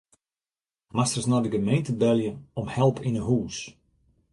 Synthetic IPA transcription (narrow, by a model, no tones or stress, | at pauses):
mastərsnɔdəɡəmejntəbɛlˠjəɔmhɛlˠpinəɦuːs